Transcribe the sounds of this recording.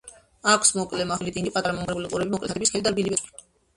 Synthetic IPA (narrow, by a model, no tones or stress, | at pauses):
akʰsmɔkʼlɛmaχlit̪ʼiŋɡipʼat̪ʼaɾamɔmɡɾɛbuliqʼuɾɛbimɔkʼlɛ̰t̪ʰɛbisχɛlid̪aɾbilibɛi